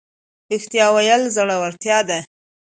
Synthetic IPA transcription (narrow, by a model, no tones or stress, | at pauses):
ɪxt̪ijɑwajəlzəɽawaɾt̪jɑd̪a